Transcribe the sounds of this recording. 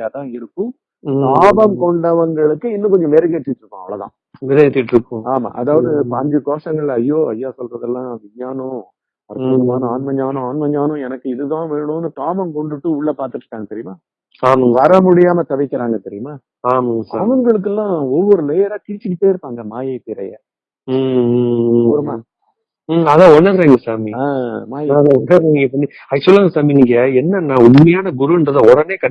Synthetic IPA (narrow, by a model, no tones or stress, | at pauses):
jaːt̪ãːɪɾɯkːʊ̃ | aːbɐmkɔɳɖɐʋɐŋɡɐɭɯkːɯɪnːɯ̃k̬ɔɲd͡ʒɔ̃ʋeːɾɐket̪ːɪʈːɾɯkːõːɐʋɐɭɐt̪ã̰ː | ɛɾet̪ːɪʈːɾɯkːõːaːma̰ːʔɐðaːʋɐðɯpɐɲd͡ʒɐkoːʂʈɐŋɡɐɭɪlɐɐjːoːɐjːaːsɔlrɐðɐlːãːʋɪɲaːnʊ̃ | ɐɾuːmaːnʊ̃aːnmɐɲɲaːnʊ̃aːnmɐɲːaːnʊ̃ɛnɐkːɯɪðɯt̪ãːʋeːɳʊ̃ːnːɯkaːmɐmkɔɳɖɯʈːɯʊɭːɐpaːɾt̪ɯʈːɾɯ̥kːaːŋɡɐt̪ɛɾɪjmaː | aːmɐŋɡʋaːɾɐmʊɽɪjaːmɐt̪ɐʋɪkːɪɾaːŋɡɐt̪ɛɾɪjɯmaː | aːmɐŋɡɐsaːmɐŋɡɐɭɯk̬ːɛlːãːɔʋːɔɾɯlɛjɐɾaːkɪɾɪt͡ʃːɯkːɯpːoːjɪɾɯpːaːŋɡɐmaːjɐɪpɪɾɐjɐ̰ | ɾma | ɐðãːɔɳːɐnɾeːŋɡɐsaːmiaːmaːaɐðãːɔnːɐeniːŋɡɐp̬ɐɳːi | ɐsɔlːaːŋɡɐsaːminiːŋɡɐɛnːɐnãːʊɳmɐjaːnɐɡʊɾuɪdɾɐðɐɔɽɐneːkɐ